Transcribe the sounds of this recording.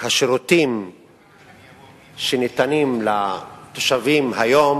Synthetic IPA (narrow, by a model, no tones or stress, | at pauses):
haʃɾut̪im | ʃenit̪animlat̪oʃavimɦajom